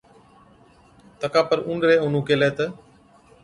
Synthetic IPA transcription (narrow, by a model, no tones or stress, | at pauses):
t̪əkaːpəɾũːɳɖɾeːʊn̤ũːkeːleːt̪ə